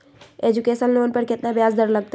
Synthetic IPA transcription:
eːd͡ʒukeːʃənloːnpəɾkɪt̪nabjaːzd̪əɾləɡ̚t̪

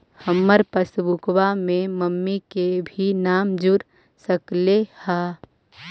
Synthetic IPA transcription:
həmːəɾpəsbukwamẽməmːikebʱinaːmd͡ʒʊɾ | səklehaː

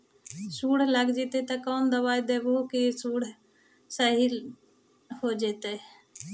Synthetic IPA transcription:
suːɽ̤ləɡd͡ʒiːt̪eːt̪aːkoːnd̪əʋaːid̪eːʋoːkisuːɽ̤ | səɦi | hoːd͡ʒeːt̪eː

